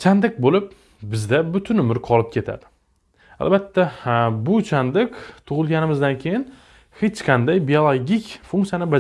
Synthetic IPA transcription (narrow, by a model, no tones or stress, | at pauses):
t͡ʃʰand̪ɪk̚bolɪp̚ | bɪzd̪abʊt̪ʰʊnʊmɪɾqʰɒlˠɪp̚kʲe̞t̪ʰa̰d̪ɪ | a̰lbat̪ʰːabʊt͡ʃʰand̪ɪkʲt̪ʰʊʁɨlˠɡʲanɪmɪzd̪ankʲʰe̞jɪn | het͡ʃqʰɑnd̪ajbiolˠoɡʲikʲfʊŋkt̪sjanɪbad͡ʒ